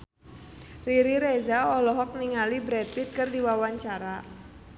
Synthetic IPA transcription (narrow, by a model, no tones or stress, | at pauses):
riɾiɾezaɔlɔɦɔk̚niŋalibɾɛt̪̚fit̪̚kɨrdiwawaɲt͡ʃaɾa